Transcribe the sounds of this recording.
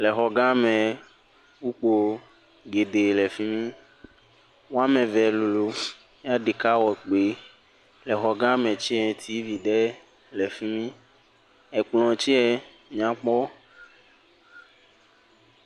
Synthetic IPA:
lɛ˨xɔ˨ɡã˦mɛ̃˨ | wu˦k͡po˨ | ɡe˨ɖe˨lɛ˨fi˦mĩ˦ | wo˦a˦mɛ̃˨vɛ˨lu˨lu˨ | mĩ˦a˦ɖe˨ka˦wɔ˨k͡pe˨ | lɛ˨xɔ˨ɡã˦mɛ̃˨t͡ʃi˦ɛ˨t̪ʰi˦vi˨ɖɛ˦ | lɛ˨fi˦mĩ˦ | ɛ˨k͡plɔ̃˨t͡ʃi˦ɛ˨ | mĩ˨ã˨k͡pɔ˦

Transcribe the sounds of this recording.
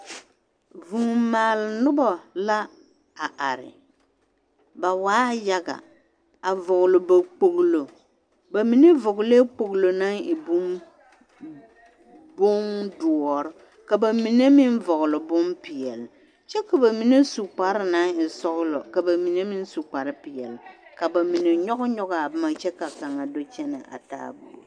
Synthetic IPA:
vu˨maː˨lnʊ˦bɔ˨la˦ | a˨ʔa˨ɾɪ̰˨ | ba˨waː˦ja˨ɡa̰˨ | a˨vʊ˨ɣlʊ˨ba˨k͡po˨ɣlo˨ | ba˨mi˨˦ne˦vʊ˨ɡle˦k͡po˨ɣlo˨na˦ŋɪ˨bʊ˦m | bʊ˦ŋdʊ˨ɔ˨ɾɪ˦ | ka˨ba˨mi˨ne˦mi˦n˦vʊ˨ɣʊ˨lɨ˨bʊ˦mpɪ˨jɛ˨l | t͡ʃɛ˦ka˨ba˨mi˦ne˦su˨k͡pa˨ɾɪ˦na˦ŋɪ˨sɔ˦ɣʊ˦lɔ˨ka˨ba˨mi˨ne˦mi˦n˦su˨k͡pa˨ɾɨ˦pɪ˨jɛ˨lɪ˨ka˨ba˨mi˨ne˨ɲɔ˦ɣʊ˦ɲɔ˦ɡa˨a˨bma˨t͡ʃɛ˦ka˨ka˨ŋa˨do˦t͡ʃɛ˦na˨ʔa̰˨ta̰ː˦bṵ˨

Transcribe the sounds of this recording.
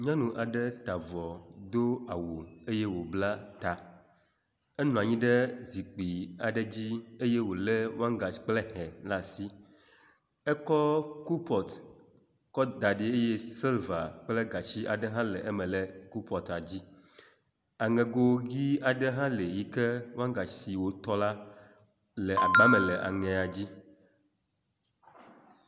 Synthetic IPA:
ɲã˦nũ˨ʔa˨ɖə˦t̪a˨vɔ˨d̪o˦a˨wo˨e˦je˦wo˨bla˦t̪a˨ | ɛ˦nɔ̃˨a˨ɲĩ˦ɖə˦zi˨k͡pi˨a˨ɖə˦d͡ʑi˦e˦je˦wo˨lɛ˦wã˦ŋɡa˨˦k͡plɛ˦hɛ̃˨nlã˨si˦ | ɛ˦kɔ˦ku˦pɔ˨t̪ | kɔ˦d̪a˨ɖe˨˦e˦je˦si˦lva˨k͡ple˦ɡa˨t͡ɕi˦ʔa̰˨ɖɛ˦ɦã˦lɛ˨ʔe˦mɛ̃˨lɛ˨ku˦pʰɔ˨t̪a˨d͡ʑi˦ | a˨ŋɛ̃˨ɡo˦ɡi˦a˨ɖɛ˦ɦã˦le˨ji˦kɛ˦wã˦ŋɡa˨si˨wo˨t̪ɔ˦la˦ | lɛ˨ʔa˨ɡ͡ba˦mɛ̃˨lɛ˨ʔa̰˨ŋɛ̃˨a˨d͡ʑi˦

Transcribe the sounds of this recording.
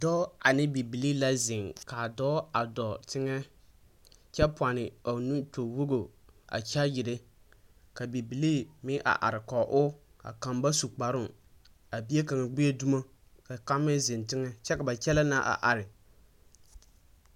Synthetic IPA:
dɔ˦a˨nɪ˦bi˨bi˨li˦la˦zɪ˨ŋka˨dɔː˦a˨dɔ˨tɪ˦ŋɛ˦ | t͡ʃɛ˦pʊ˨a˨nɪ˨a˨nu˦to˨wo˦ɡo˨a̰˨t͡ʃa˦jɪ˨ɾe˦ | ka˨bi˨bi˨li˦mɪ˦ʔa̰˨ʔa̰˨ɾɪ˨kɔ˨ʔʊ˦ | a̰˨ka˨mba˦su˨k͡pa˨ɾʊ˦˨ | a˨bi˦e˦ka˨ŋɛ˨ɡ͡be˦e˦du˦ma˦ | ka˨ka˦mːɛ˦zɪ˨ntɪ˦ŋɛ˦t͡ʃɛ˦ka˨ba˨t͡ʃɛ˦la˦na˦ʔa̰˨ʔa˨ɾɪ˨

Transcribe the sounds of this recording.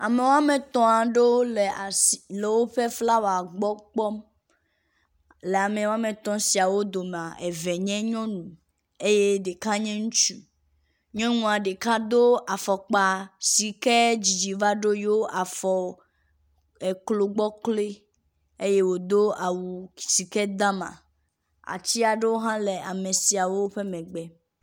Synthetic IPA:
a˨me˨wa˦mẽ˨t̪ɔ̃˦a˨ɖo˦le˨a˨sle˨wo˦ɸe˦fla˦wo˨a˨ɡ͡bɔ˦k͡pɔ˦m | le˨a˨mẽ˨wo˦a˦mẽ˨t̪ɔ̃˦si˨a˨wo˦d̪o˨m˨ã˨ʔe˨vɛ˨ɲɛ̃˦ɲɔ̃˦nũ˨ | e˦je˦ɖe˨ka˦ɲɛ̃˦ŋũ˦t͡ʃu˦ | ɲɔ̃˦nũ˨a˨ɖe˨ka˦d̪o˦a˨fɔ˨k͡pa˨si˨kɛ˦d͡ʑi˨d͡ʑi˨va˦ɖo˦jo˦ʔa˨fɔ˨ | e˨klo˨ɡ͡bɔ˦kle˦ | e˦je˦wo˨d̪o˦a˨wu˨si˨kɛ˦d̪ã˦mã̰˨ | a̰˨t͡ɕi˦a˨ɖe˦wo˦ɦã˦le˨a˨mẽ˨si˨a˨wo˦ɸe˦mɛ̃˨ɡ͡bɛ˦

